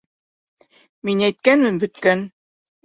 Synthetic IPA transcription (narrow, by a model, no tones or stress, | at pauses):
minæjt̪̚kænmɘmbɵ̆t̪̚kæn